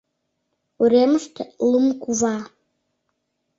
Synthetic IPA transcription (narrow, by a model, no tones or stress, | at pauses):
uɾʲeməʃt̪lumkuvɑ